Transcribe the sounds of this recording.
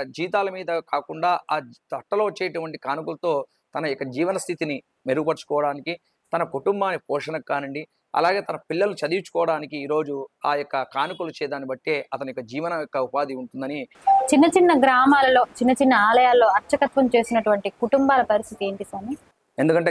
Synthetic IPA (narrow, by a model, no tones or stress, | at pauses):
d͡ʒiːt̪̬aːlɐmiːd̪ɐkaːkuɳɖaːaːt̪ɐʈːɐloːot͡ʃːeːjɐʈuʋɐɳʈikaːnukulɐt̪o̞ː | t̪ɐnɐjɔkːɐd͡ʒiːʋɐnɐst̪ʰit̪ini | meɾuɡupɐɾt͡ʃu̥kɔːʋɐɽaːniki | t̪ɐnɐkuʈumbaːnːipɔːʂɐnɐkːaːnɐɳɖi | ɐ̰laːɡe̞ːt̪ɐnɐpilːɐlɐnut͡ʃɐd̪it͡ʃːu̥kɔːʋɐɽaːnikiiːɾo̞ːd͡ʒuaːjɔkːɐkaːnukulut͡ʃɛːd̪aːnibɐʈːeːɐt̪ɐnujɔkːɐd͡ʒiːʋɐnɐjɔkːɐupaːd̪iuɳʈund̪ɐni | t͡ʃinːɐt͡ʃinːɐɡɾaːmaːlɐlo̞ːt͡ʃinːɐt͡ʃinːɐaːlɐjaːlɐːo̞ːɐɾt͡ʃɐkɐt̪ʋɐmt͡ʃe̞ːsinɐʈuʋɐɳʈikuʈumbaːlɐpɐɾist̪ʰit̪ie̞ːɳʈisaːni | e̞nd̪ukɐɳʈeː